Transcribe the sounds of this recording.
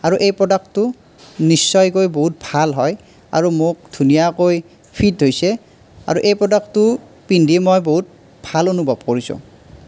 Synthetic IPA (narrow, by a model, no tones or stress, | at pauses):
aɹuʔejpɹɔdak̚tʊ | nisːɔjkojboɦut̚bʱalɦɔj | a̰ɹumok̚dʱunijakoj | pʰit̚ɦojsɛ | a̰ɹuʔejpɹɔdaktʊ | pindʱimɔjboɦut̚ | b̥ʱalonubʱɔb̚koɹisʊ̰̃